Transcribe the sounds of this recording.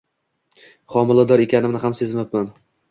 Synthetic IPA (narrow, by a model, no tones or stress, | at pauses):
χɒmɪlˠad̪ɒɾe̞kʲʰanɪmnɪhamse̞zmɪpman